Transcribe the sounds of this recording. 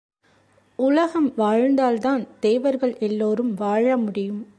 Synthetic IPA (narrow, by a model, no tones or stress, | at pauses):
ʊlɐɣɐmʋaːɻnd̪aːlt̪aːnd̪̥eːʋɐɾɣɐɭʔɛlːoːɾɯmʋaːɻɐmʊɽɪjɯm